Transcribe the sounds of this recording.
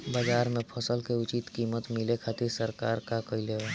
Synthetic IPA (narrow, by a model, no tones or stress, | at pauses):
baːd͡ʒaːɾmẽpʰəsəlkeʊt͡ʃit̪kiːmət̪mɪlekʰaːt̪ɪɾsəɾkaːɾkakəileɦa